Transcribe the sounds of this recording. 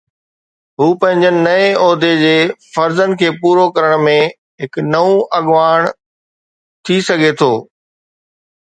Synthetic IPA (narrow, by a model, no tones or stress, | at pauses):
ɦuːpɐ̃ɦɪ̃ɲd͡ʑənɪ̆nɐeɔːd̪ʱed͡ʑeːfɐɾzənkʰeːpuːɾokɐɾəɽ̃mẽ | ɦɪknɐũʔɐɠʋaːɽ̃ | t̪ʰisɐɡʱet̪ʰoː